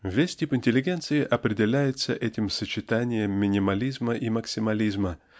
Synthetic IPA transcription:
vʲesʲtʲipɪnʲtʲɪlʲːɪɡʲe̞nt̪sɨɪʔɐpɾʲɪdʲɪlʲæjɪt̪səʔɛtʲɪmsət͡ɕɪt̪anʲɪjəmːʲɪnʲɪmɐlʲizməʔiməksʲɪmɐlʲizmə

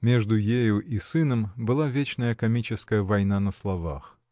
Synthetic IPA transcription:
mʲeʐd̪ʊjejʊʔisɨnəmbɨlˠavʲet͡ɕnəjəkɐmʲit͡ɕɪskəjəvɐjn̪anəslˠɐva̰x

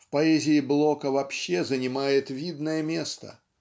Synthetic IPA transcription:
fpɐɛzʲɪːblˠo̞kəvɐpɕːezənʲɪmajɪt̪vʲid̪nəjəmʲe̞st̪ə̰

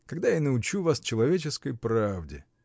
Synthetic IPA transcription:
kɐɡd̪ajanəʊt͡ɕuvast͡ɕɪlˠɐvʲet͡ɕɪskəjpɾavdʲɪ̰

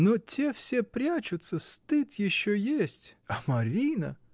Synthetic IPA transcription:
nutʲɛwsʲɛpɾʲat͡ʃʊt̪sːɐst̪ɪt̪jɪʃːɔjesʲtʲɐmɐɾʲijnɐ̰

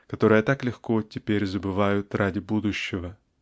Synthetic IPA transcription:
kɐt̪o̞ɾɨjət̪aklʲɪxko̞tʲɪpʲeɾʲzəbɨvajʊt̪radʲɪbud̪ʊɕːɪvə

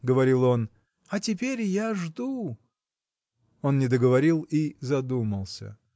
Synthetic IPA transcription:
ɡəvɐɾʲilˠo̞n | ɐtʲɪpʲeɾʲjaʐd̪u | o̞nːʲɪd̪əɡəvɐɾʲilˠizɐd̪uməlˠsʲə̰

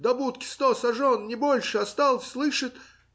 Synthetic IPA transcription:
d̪ɐbut̪kʲɪ̥st̪osɐʐonnʲɪbolʲʂɨɐst̪ɑlˠsʲslˠɨʂɨt̪

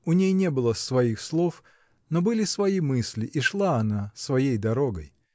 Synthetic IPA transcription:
ʊnʲejnʲe̞bɨlˠəsvɐixslˠof | nobɨlʲɪsvɐimɨsʲlʲɪʔiʂlˠaɐnasvɐjejd̪ɐɾo̞ɡəj

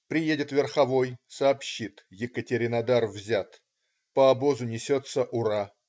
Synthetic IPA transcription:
pɾʲɪjedʲɪt̪vʲɪrxɐvo̞jsɐːpɕːit̪jɪkətʲɪɾʲɪnɐd̪arvzʲat̪ | pəɐbo̞zʊnʲɪsʲo̞t̪səʔʊɾa

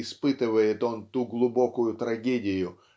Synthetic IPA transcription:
ɪspɨt̪ɨvəjɪt̪o̞nt̪uɡlˠʊbo̞kʊjʊt̪ɾɐɡʲedʲɪjʊ

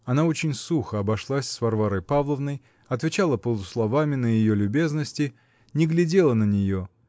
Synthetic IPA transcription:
ɐnaot͡ɕɪnʲsuxəɐbɐʂlˠasʲsvɐrvaɾəjpavlˠəvnəj | ɐt̪vʲɪt͡ɕalˠəpəlˠʊslˠɐvamʲɪnəjɪjolʲʊbʲe̞znəsʲtʲɪ | nʲɪɡlʲɪdʲe̞lˠənənʲɪjo̞

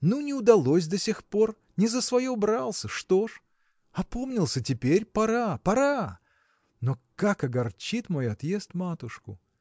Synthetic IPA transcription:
nunʲɪʊd̪ɐlˠo̞sʲd̪ɐsʲɪxpo̞r | nʲɪzəsvɐjobɾalˠsʲəʂt̪o̞ʂ | ɐpo̞mnʲɪlˠsʲətʲɪpʲeɾʲpɐɾapɐɾa | no̞kakɐɡɐrt͡ɕit̪mo̞jɐt̪je̞st̪mat̪ʊʂkʊ̰

